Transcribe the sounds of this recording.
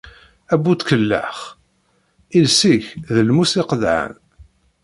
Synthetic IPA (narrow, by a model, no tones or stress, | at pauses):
æbut̪kəlːa̰χ | ilsiçðəlmusiqəðʕə̰n